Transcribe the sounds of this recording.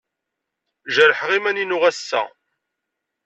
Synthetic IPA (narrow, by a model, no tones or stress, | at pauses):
ʒəɾħʁimæninʊʁæsːæ̰